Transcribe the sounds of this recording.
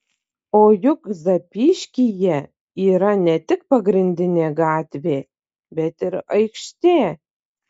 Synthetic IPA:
oːjʊkzɐpʲiːʃkʲijɛ | iːɾɐnʲɛt̪ʲɪk̚pɐɡɾʲɪnʲd̪ʲɪnʲeɡɑːt̪ʲvʲeː | bʲɛt̪ɪɾɐjkʃt̪ʲeː

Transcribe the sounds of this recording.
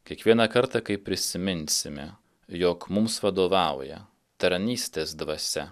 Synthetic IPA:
kʲiɛkʋʲiɛnɐkɐɾt̪ɐkɐɪpʲɾʲɪsʲɪmʲɪnʲsʲɪmʲɛ | joːkmʊmsʋɐd̪oːʋɑˑʊjɛ̰ | t̪ɐɾnʲiːsʲt̪ʲeːsd̪ʋɐsʲɛ

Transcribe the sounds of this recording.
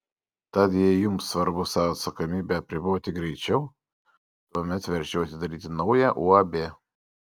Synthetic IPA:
t̪ɑt̪jɛɪjʊmsʋɐɾbʊsɑʋɐɐt̪sɐkomʲiːbʲɛɐpʲɾʲɪboːt̪ʲɪɡɾʲɛɪt͡ʃʲɛʊ | t̪uɔmʲɛt̪ʋʲɛɾʲʒʲɛʊɐt̪ʲɪd̪ɐɾʲiːt̪ʲɪnɐʊjɛʔuːɐbʲeː

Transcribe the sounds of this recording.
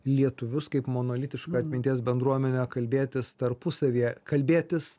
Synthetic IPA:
lʲiɛt̪ʊʋʲʊskɐɪpmoːnoːlʲɪt̪ʲɪʃkɐːɐt̪ʲmʲɪnʲt̪ʲiːsbʲɛnd̪ɾuɔmʲɛnʲoːkɐlʲbʲeːt̪ʲɪst̪ɐɾpʊsɐʋʲiːɛkɐlʲbʲeːt̪ʲɪs

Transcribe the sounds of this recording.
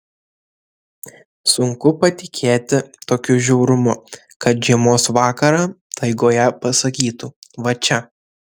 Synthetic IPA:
sʊŋkʊpɐt̪ʲɪkʲʰeːt̪ʲɪt̪oːkʲʊʒʲɛʊɾʊmʊ | kɐt̪ʒʲiɛmoːsʋɑːkɐɾɑːt̪ʰɐɪɡoːjɛpɐsɐkʲiːt̪uːʋɐt͡ʃʲɛ

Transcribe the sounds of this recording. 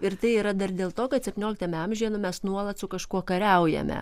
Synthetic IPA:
ɪɾt̪ɐɪiːɾɐd̪ɐɾd̪ʲeːlˠt̪oːkɐt̪sʲɛpʲt̪ʲnʲoːlʲɪk̚t̪ɐmʲɛɐmʲʒʲiɛnʊmʲɛsnuɔlˠɐt̪sʊkɐʃkuɔkɐɾʲɛʊjɛ̰mʲɛ̰

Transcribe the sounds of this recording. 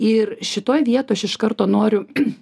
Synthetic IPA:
ɪrʃʲɪt̪oːjʋʲiɛt̪oːjɐʃɪʃkɐrt̪oːnoːɾʲʊ

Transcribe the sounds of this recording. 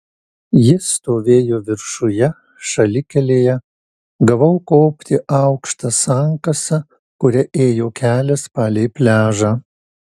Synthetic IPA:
jɪst̪oːʋʲeːjoːʋʲɪɾʃʊjɛ | ʃɐlʲɪkʲɛlʲeːjɛ | ɡɐʋɐʊkoːpʲt̪ʲɪʔɑˑʊkʃt̪ɐsɑŋkɐsɐ | kʊɾʲɛʔeːjoːkʲæːlʲɛspɑːlʲɛɪpʲlʲæːʒɑː

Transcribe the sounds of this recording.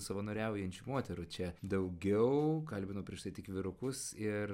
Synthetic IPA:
sɐʋonoːɾʲæʊjɛnʲt͡ʃʲumoɔt̪ʲɛɾʊt͡ʃʲɛd̪ɐʊɡʲɛʊkɐlʲbʲɪnoːpʲɾʲiɛʃt̪ɐɪt̪ʲɪkʋʲɪɾʊkʊsɪɾ

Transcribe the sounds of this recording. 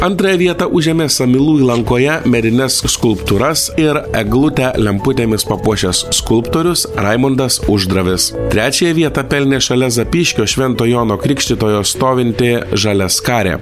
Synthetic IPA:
ɐnt̪ɾɐjɛʋʲiɛt̪ɐʔʊʒʲeɛmʲeːsɐmʲɪlˠuːiːlˠɐŋkoːjɛmʲɛd̪ʲɪnʲɛsskʊlˠpt̪uɾɐsɪɾɛɡlˠʊt̪ʲælʲɛmpʊt̪ʲeːmʲɪspɐpuɔʃʲɛsskʊlˠpt̪oːɾʲʊsɾɐɪmond̪ɐsʊʒd̪ɾɐʋʲɪst̪ʲɾʲæːt͡ʃʲɛjɛʋʲiɛt̪ɐpʲɛlʲnʲeːʃɐlʲɛzɐpʲiːʃʲkʲoːʃʲʋʲɛnt̪oːjoːnoːkɾʲɪkʃʲt̪ʲɪt̪oːjoːst̪oːʋʲɪnʲt̪ʲɪʒɑlʲɛskɑːɾʲḛː

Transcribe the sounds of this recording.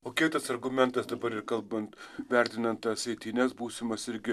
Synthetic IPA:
oːkʲɪt̪ɐsɐɾɡʊmʲɛnt̪ɐsd̪ɐbɐɾɪɾkɐlˠbɐnt̪ʋʲæɾʲt̪ʲɪnɐnt̪ɐsɐɪt̪ʲinʲɛsbuːsʲɪmɐsɪɾʲɡʲɪ

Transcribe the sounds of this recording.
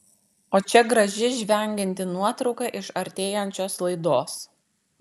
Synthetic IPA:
oːt͡ʃʲɛɡɾɐʒʲɪʒʲʋʲɛˑŋʲɡʲɪnʲt̪ʲɪnuɔt̪ɾɒʊkɐʔɪʃɐɾʲt̪ʲeːjɛnʲt͡ʃʲoːslˠɐɪd̪oːs

